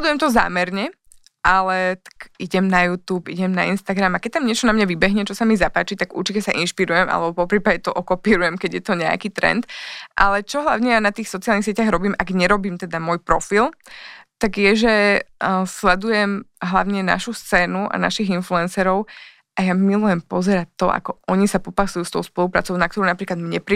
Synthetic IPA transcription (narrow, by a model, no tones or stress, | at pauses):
lɛd̪ujɛmt̪ɔza̰ːmɛɾɲɛ | ʔalɛt̪ḁɡ̥ʔiɟɛmnajuːt̪uːpḭɟɛmnainst̪aɡɾamakɛc̚t̪amɲɪɛt͡ʃɔnamɲaʋibɛɦɲɛt͡ʃɔsamizapaːt͡ʃit̪aɡṵɾt͡ʃicɛsaʔinʃpiɾujɛma̰lɛbɔpɔpɾiːpaɟɛt̪ɔʔɔkɔpiːɾujɛmkɛɟjɛt̪ɔɲɛa̰kiːt̪ɾɛ̰nt̪ʔa̰lɛt͡ʃɔɦlaʊɲɛjanat̪iːxsɔt͡sialnixs̬ɪɛcaɣɾɔbiːmʔaɡɲɛɾɔbiːmt̪ɛd̪amɔjpɾɔfilt̪aɡjɛʒɛ | slɛd̪ujɛmɦlaʊɲɛna̰ʃust͡sɛːnuʔa̰na̰ʃiɣinfluɛnsɛɾɔʊ | ʔajammilujɛmpɔzɛɾat̪ːɔʔa̰kɔʔɔɲisapɔpasujust̪ɔʊspɔlupɾa̰ːt͡sɔʊnakt̪ɔɾɔʊnapɾiːklad̪mɲɛpɾi